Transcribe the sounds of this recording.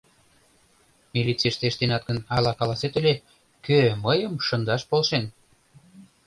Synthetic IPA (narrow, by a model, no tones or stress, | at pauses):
milʲit͡seʃt̪eʃt̪enɑt̪̚ɡənɑlɑkɑlɑset̪əlʲe | køməjəmʃənd̪ɑʃpolʃen